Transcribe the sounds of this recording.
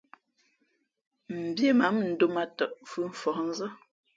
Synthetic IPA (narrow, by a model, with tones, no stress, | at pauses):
m̩˨bje˦ma˨˦mn̩˨˦do˦ma˨tɔ˨ʔfʉ˦ɱ̩˨fɔ˨ʔn̩˦zə˦